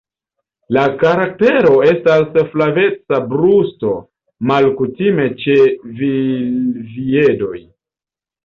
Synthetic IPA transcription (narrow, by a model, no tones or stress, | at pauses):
lakaɾak̚te̞ɾo̞e̞stasflave̞t͡sabɾusto̞ | malkutime̞t͡ʃe̞vilvie̞do̞j